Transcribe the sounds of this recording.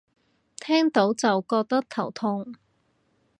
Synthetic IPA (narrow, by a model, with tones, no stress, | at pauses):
t̪ʰɛː˥ŋt̪o˨˥wt͡sɐ˨wkɔː˧k̚t̪ɐ˥k̚t̪ʰɐ˨˩wt̪ʰʊ˧ŋ